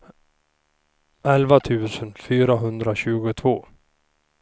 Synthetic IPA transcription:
ʔɛlvat̪ʰʉ̟ːsənfyːɾaɦɵnd̪ɾaɕʉ̟ːɡʊt̪ʰv̥oː

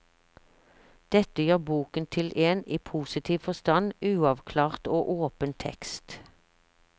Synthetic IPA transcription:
d̪̥ɛt̪əjøːʁbuːkənt̪ʰɪlʔeːniːpʰuːsɪt̪ʰiːʋfɔst̪ɑnʉːɑʋkʰlɑːʁt̪oːʔoːpənt̪ʰɛ̰kst̪

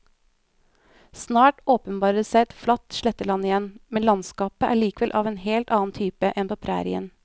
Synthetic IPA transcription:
snɑːʈoːpənbɑːɾəsæɪɛt̪flɑt̪ʃlɛt̪əlɑnɪjɛnmɛnlɑnskɑːpəʔæ̰ːɭiːkəʋɛlʔɑ̰ːʋeːnheːlt̪ɑːn̩t̪ʰyːpəʔɛnpʰoːpʰɾæ̰ːɾɪ̰ə̰n

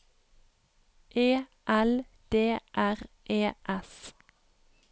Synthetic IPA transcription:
ʔeːʔæl | d̪̥eːʔæʁ | ʔeːʔɛs

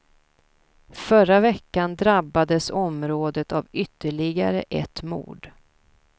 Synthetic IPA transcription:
fœɾavɛkːand̪ɾabːad̪əsɔmɾoːd̪ət̪avʏt̪ːəɭɪɡaɾə̰ʔɛt̪ːmṵːɖ

